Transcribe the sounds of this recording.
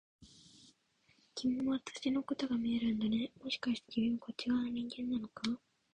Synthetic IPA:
kʲimoat̪ɨ̥ɕino̞ko̞t̪o̞ɡamʲie̞ɾɯ̟̃nd̪ane̞mo̞ɕi̥kaɕi̥t̪ed͡ʑibɯ̟̃ŋko̞t͡ɕiɡanoɲ̟ĩŋɡẽ̞nːano̞ka

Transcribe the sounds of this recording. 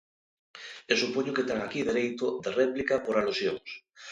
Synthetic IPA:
esupoɲoket̪eŋakiðeɾejt̪oðereplikapoɾalusjoŋs

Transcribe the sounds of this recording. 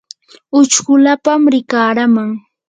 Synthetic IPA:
ʊt͡ʃɢʊlapamɾɪkaːɾamaŋ

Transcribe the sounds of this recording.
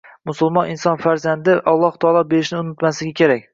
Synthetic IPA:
mʊsʊlˠmɒnɪnsɒnfaɾzand̪ɪʔɒlˠːɒht̪ʰɒːlˠɒbe̞ɾɪʃnɪʊnɪt̪maslɪɡʲakʲe̞ɾakʲ

